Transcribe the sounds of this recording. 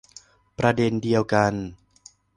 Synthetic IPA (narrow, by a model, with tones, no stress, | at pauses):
pɾa˧de˧ndi˧əwka˧n